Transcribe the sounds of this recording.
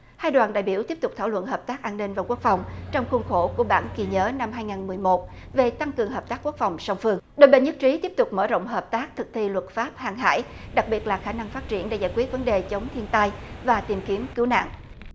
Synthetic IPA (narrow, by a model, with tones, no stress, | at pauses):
haː˧jɗwaː˨˩nɗa̰ː˧˨jɓi˧˩t̪i˦˥əpt̪ʊ˨˩k͡pt̪ʰaː˧˩wə̰˧˨nɦəː˨˩p̚t̪aː˦˥k̚ʔaː˧nːï˧ŋ̟vaː˨˩ku˦˥ək̚fa˨˩wŋ͡mt͡ɕɔ˧wŋ͡mxwə˧nxo˧˩ku˧˩əɓa̰ː˧˩nki˨˩ɲəː˨˦na˧mɦaː˧jŋaː˨˩nmɨ˨˩əjmo˨˦˩t̚ | ve˨˩t̪a˧ŋkɨ˨˩əŋɦəː˨˩p̚t̪aː˦˥kːu˦˥ək̚fa˨˩wŋ͡msa˧wŋ͡mfɨ˧əŋɗo˧˨jɓe˧˨nɲɨ˦˥k̚t͡ɕi˨˦t̪i˦˥p̚t̪ʊ˨˩k͡p̚məː˧˩zo̰˧˨wŋ͡mɦəː˨˩p̚t̪aː˦˥k̚t̪ʰɨ˨˩k̚t̪ʰi˧lwə˨˩t̚faː˦˥p̚haː˨˩ŋɦa̰ː˧˥jɗa˨˩k̚ɓi˨˩ət̚laː˨˩xaː˧˩na˧ŋfaː˦˥t̚t͡ɕḭ˧˩ənɗḛ˧˥zaː˧˩jkwi˦˥ət̚və˨˦nɗe˨˩t͡ɕə˨˦wŋ͡mt̪ʰi˧ənt̪a˧jvaː˨˩t̪i˨˩mki˨˦əmkɨ˨˦wna̰ː˧˨ŋʔ